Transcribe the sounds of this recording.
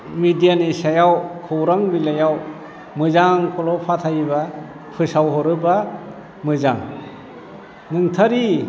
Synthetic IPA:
midijanisajawkʰɯwɾaŋbilajaw | mɯzaŋkʰɔlɔpʰatʰajba | pʰɯsawɦɔɾɯba | mɯzaŋ | nɯŋtʰaɾi

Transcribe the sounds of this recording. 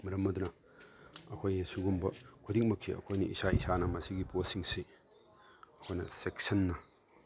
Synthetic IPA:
mɐɾɐmɐd̪unɐ | ɐkʰojesuɡumbɐkʰud̪ik̚mɐkʰːiɐ̰kʰojniʔḭsaisanɐmɐsiɡiposiŋsi | ɐkʰojnɐseksɐnːɐ

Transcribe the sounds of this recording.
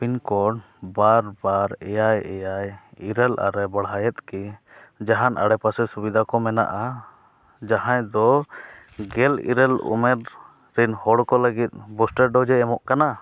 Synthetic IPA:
pinkɔɖ | baɾbaɾɛjajɛjajiɾɛlʔa̰ɾɛbəɽɦajɛt̪̚ki | d͡ʒaɦanʔa̰ɽɛpasɛsubid̪ʱakɔmɛna̰ʔa | d͡ʒaɦãjd̪ɔ | ɡɛlḭɾɛlṵmɛɾ | ɾinhɔɽkɔləɡit̪̚ˀbɔsʈɛɾɖɔd͡ʒɛːmɔʔkana

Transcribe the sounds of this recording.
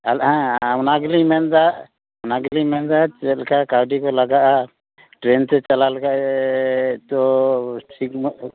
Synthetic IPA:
alhãawnaɡlimɛnd̪aʔ | wnaɡlimɛnd̪at͡ʃɛlkakawɖikɔlaɡaʔa | ʈɾɛnt̪ɛt͡ʃalalkaʔɛ | t̪ɔsik̚m

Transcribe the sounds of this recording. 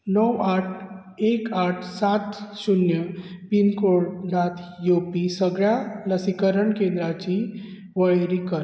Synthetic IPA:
nəwaʈʰ | ekaʈʰsat̪sunjəpinkoɭɖat̪ʰjopisəɡɭjaləsikəɾəɳkend̪ɾat͡ɕi | ʋəɭɾikəɾ

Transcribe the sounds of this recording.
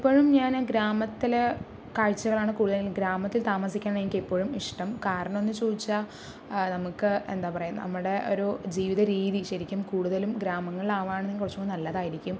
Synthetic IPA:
ipːo̞ːɻumɲaːnɡɾaːmɐt̪ːile | kaːɻt͡ɕːɐɣɐɭaːɳɨkuːɽuðɐllɡɾaːmɐt̪ːilt̪aːmɐsikʲːaːɳenikːipːo̞ːɻumiʂʈɐmkaːɾɐɳɐmo̞nːɨt͡ɕo̞ːðit͡ɕːa | nɐmukːɨḛnd̪aːpɐrɐjun̰ːnɐ̰mːuɽe̞o̞̰ɾud͡ʑiːʋiðɐɾiːðiɕɐɾikʲːumkuːɽuðɐlumɡɾaːmɐŋːɐɭaːʋaːɳɨnːkurɐt͡ɕːuoːnɐlːɐðaːjiɾikʲːum

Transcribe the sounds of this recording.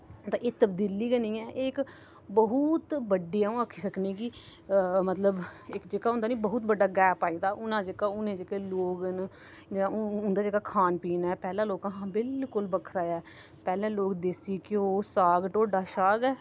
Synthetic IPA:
t̪ãːʔeːt̪əbd̪iːliːɡəniːɛːʔɪk | bəɦʊt̪bəɖijãːũːakʰiːsəkneːɡiː | mət̪ləbɪkd͡ʒeːkaːʊ̃nd̪aːnĩːbəɦʊt̪bəɖaːɡɛːpaːiːd̪aːʔʊnãːd͡ʒeːkaːʊnẽːd͡ʒeːkeːloːɡn | d͡ʒãːʊnd̪aːd͡ʒeːkaːkʰaːnpiːnɛːpɛːlãːloːkãːɦãːbɪlkʊlbəkʰɾaːjaː | pɛːlãːloːkd̪esiːkɪoːsaːɡʈoːɖaːʃaːɡɛː

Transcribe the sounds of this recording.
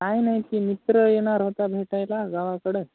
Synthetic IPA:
kajnaɦikiːmit̪ɾəjeɽ̃aɾɦot̪abʱeʈajlaɡaʋakəɽe

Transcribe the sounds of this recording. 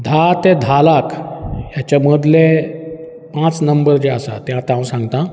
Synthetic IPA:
d̪ʱat̪ed̪ʱalakjat͡ɕaməd̪le | pãt͡snəmbəɾd͡ʑeasa̰t̪jɦãt̪ãwsãŋɡt̪ã

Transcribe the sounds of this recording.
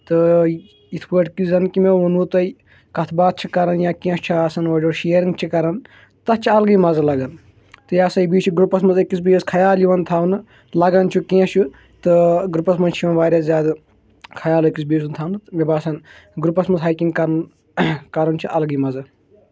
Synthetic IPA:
t̪ɨ | it̪ʰpəʈkizɐnkimeʋunut̪ɐi | kɐt̪ʰbaːt̪̚t͡ʃʰikɐɾɐnjãːkĩːst͡ʃʰiaːsɐnʋɐd͡ʒoɾʃijɐɾĩŋɡt͡ʃʰikɐɾɐn | t̪ɐt͡ʃʰiɐlɡimɐzɐlɐɡɐn | t̪ɨjaːsɐjibiːt͡ʃʰiɡɾupɐsmɐzɐkːisbeːskʰɐjaːljiʋɐnt̪ʰaːʋnɨ | lɐɡɐnt͡ʃʰukẽːt͡ʃʰu | t̪ɨɡɾupɐsmɐnt͡ʃʰiʋɐ̃nʋaːɾʲaːszʲaːd̪ɨ | kʰɐjaːlekisbeːs̬unt̪ʰaːwnɨmʲebaːsɐn | ɡɾupɐsmɐzɦaːjkʲĩŋɡkɐɾɐn | kɐɾɐnt͡ʃʰiʔɐlɡimɐzɐ

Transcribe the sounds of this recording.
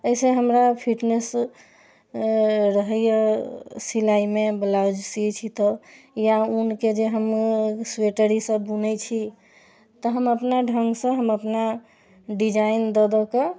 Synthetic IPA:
əjseɦəmɾapʰiʈnes | ɾəɦəjəsilaimeblawd͡ʒsit͡ʃʰit̪ɔ | jaunked͡ʒeɦəmsweʈəɾisəːunɛt͡ʃʰi | t̪ɔɦəməpnaɖʱəŋɡsə̃ɦəməpna | ɖid͡ʒaind̪ɔd̪ɔke

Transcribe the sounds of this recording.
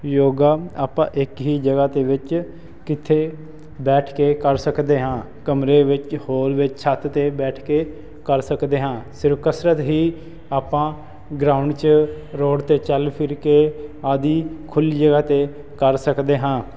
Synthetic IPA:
joːɡaːaːpãːʔɪkɦiːd͡ʒəɡaːt̪eːʋɪt͡ʃ | kɪt̪ʰeː | bɛːʈʰkeːkəɾsəkd̪eːɦãː | kəmɾeːʋɪt͡ʃhoːɾʋɪt͡ʃsʰat̪ʰt̪eːbɛːʈʰkeː | kəɾsəkd̪eːɦãːsɪɾfkəsɾət̪ɦiː | aːpãː | ɡɾaːʊɳɖt͡ʃ | ɾoːɽt̪eːt͡ʃəlpʰɪɾkeːaːd̪iːkʰʊliːd͡ʒəɡaːt̪eː | kəɾsəkd̪eːɦãː

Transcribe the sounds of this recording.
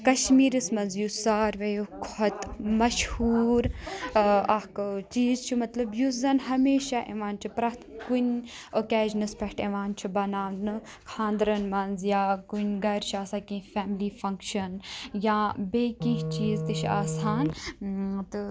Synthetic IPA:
kɐʃmiːɾɨsmɐnzjusaːɾʋɐjukʰɐt̪mɐʃhuːɾ | ɐkɨt͡ʃiːzt͡ʃʰumɐt̪lɐbjuzɐnhɐmeːʃaʔḛʋaːnt͡ʃʰupɾɐt̪kun | oːkeːʒnɨspɐɦʈeʋaːnt͡ʃʰubɐnaːʋnɨ | kʰãːnd̪ɾɐnmɐnzjaːkunʲɡɐɾt͡ʃʰaːsakĩfɛːmliːfɐŋkʃɐnjaːbeːkĩɦt͡ʃiːzt̪iʃʰa̰ːsaːn | t̪ɨ

